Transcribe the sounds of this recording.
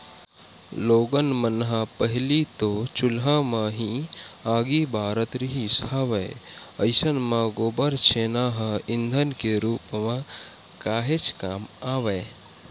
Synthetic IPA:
loːɡənmənɦãpəɦɪlit̪ot͡ʃʊlɦãmãɦĩaːɡibʱaːɾət̪ɾiɦisaːʋeeəɪsənmãɡoːbəɾt͡ʃʰeːnaːɦə̃ɪ̃nd̪ʱənkeɾuːpmã | kaːɦet͡ʃkaːmaːʋe

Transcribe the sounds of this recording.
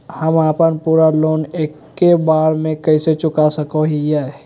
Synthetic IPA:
həmaːpənpuːɾaloːneːkːebaːɾmẽkɐɪset͡ʃʊkasəkoɦijɛ

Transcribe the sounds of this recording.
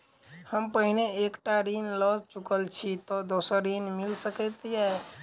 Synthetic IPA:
həmpəɦineekʈaɾinlət͡ʃukəlt͡ʃʰit̪ɔd̪osəɾːinmilsəkɛt̪jɛ

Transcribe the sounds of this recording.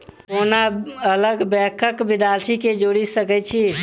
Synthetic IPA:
onaələɡbɛkʰəkbɪd̪alt̪ʰiked͡ʒoɽisəkɛt͡ʃʰi

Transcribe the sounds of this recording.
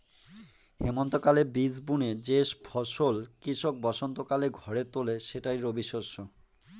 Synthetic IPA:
hemont̪okalebisbuned͡ʑeʃpʰɔʃolkɾiʃok̚bɔʃont̪okaleɡʱɔɾet̪oleʃeʈajɾobiʃoʃo

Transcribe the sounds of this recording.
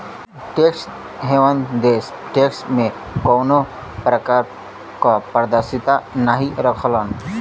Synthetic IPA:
ʈeːks | ɦeʋənd̪eːs | ʈeːksʈmẽ | koːno | pɾəkaːɾ | kapəɾd̪əɾsɪt̪anaɦiɾəkʰlan

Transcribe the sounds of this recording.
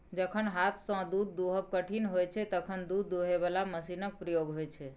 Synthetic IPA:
d͡ʒəkʰənɦat̪ʰsə̃d̪ud̪̚ːoɦəb̚kəʈʰinɦojt͡ʃʰɛt̪əkʰənd̪ud̪ːoɦeβalaməsinək̚pɾəjoɡɦojt͡ʃʰɛ

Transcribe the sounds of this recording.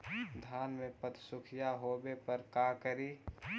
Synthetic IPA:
d̪ʱaːnmẽpət̪sʊkʰijaɦobepəɾkakəɾi

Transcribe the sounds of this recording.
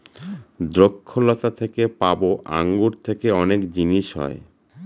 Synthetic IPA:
d̪ɾokʰːolɔt̪at̪ʰekepaboʔa̰ŋɡuɾt̪ʰekeɔnekd͡ʑiniʃɦɔ̰e

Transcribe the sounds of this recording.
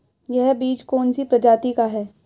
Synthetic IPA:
jɛɦbiːt͡ʃkoːnsipɾɐd͡ʒaːt̪ikaɦɛː

